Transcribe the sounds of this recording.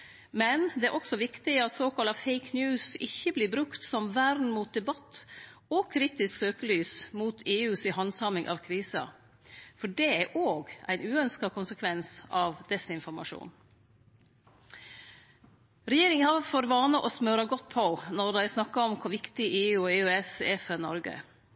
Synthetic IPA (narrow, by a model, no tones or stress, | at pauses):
mɛnd̪ɛæːɾʔɔksɔʋɪkt̪ɪɑt̪soːkʰɑlɑfeɪknjʉːsɪçːəbliːbɾʉkt̪sɔmʋæɾd̪n̩muːt̪̚d̪ɛbɑt̪ːɔkʰɾiːt̪ɪsksøːkəlyːsmuːt̪ʰeːʉːsɪhɑnsɑmɪŋʔɑ̰ʋkʰɾiːsɑ̰ | fɔɖɛæɾʔoːɡʔæ̰ɪnʉːœnskɑkʰʊnsəkʰʋɛnsɑʋd̪ɛsɪnfɔɾmɑ̰ʂṵːn | ɾɛjeːɾɪŋəhɑfoɾʋɑːnəʔɔsmøːɾɑɡɔt̪̚pʰɔnɔɾd̪æɪsnɑkːɑɔmkʰʊʋɪkt̪ɪʔeːʉːeːʉɛsɛfəɾnɔ̰ɾɡə̰